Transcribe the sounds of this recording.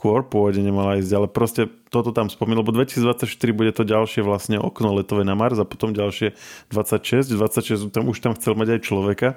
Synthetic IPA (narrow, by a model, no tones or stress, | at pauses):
kʊɔɾpɔɔɟɛɲɛmalaiːzɟalɛpɾɔscɛt̪ɔt̪ɔt̪amspɔminlɛbɔd̪ʋɛci̥siːd͡zd̪ʋat͡sːacʃt̪iɾibuɟɛt̪ɔɟalʃɪɛʋlasɲɛʔɔ̰knɔlɛt̪ɔʋɛnamaɾzapɔ̥t̪ɔmɟalʃɪɛd̪ʋat͡sːacʃɛzɟd̪ʋat͡sːacʃɛzut̪amuʃt̪amxt͡sɛlmaɟajt͡ʃlɔʋɛka